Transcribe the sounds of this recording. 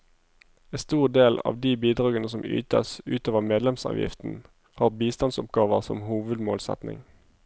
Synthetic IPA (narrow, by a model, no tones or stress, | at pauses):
est̪uːʁd̪eːlɑ̰ːʋd̪iːbiːd̪ʁɑːɡənəsɔmy̰ːt̪əsʉ̰ːt̪oːʋəʁmeːd̪lɛmsɑ̰ːʋjɪ̰ft̪n̩ | hɑːʁbiːst̪ɑnsʊpɡɑːʋəʁsɔ̰mhuːʋʉd̪moːlsɛ̰t̪nɪ̰ŋ